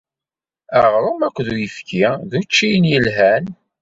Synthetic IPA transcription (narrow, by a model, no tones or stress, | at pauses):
æʁɾˤomækʷːðujəfkʰiðut͡ʃːijənjəlɦæn